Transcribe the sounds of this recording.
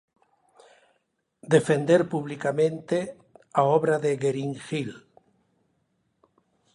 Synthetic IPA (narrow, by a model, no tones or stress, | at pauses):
d̪efend̪eɾpuβlikamẽnt̪e | aɔβɾaðeɣeɾiŋxil